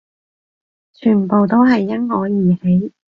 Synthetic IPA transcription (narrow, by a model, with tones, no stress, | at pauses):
t͡ʃʰyː˨˩npo˨wt̪o˥wɦɐ˨jːɐ˥nhɔː˨˧˥jiː˨˩he˨˥j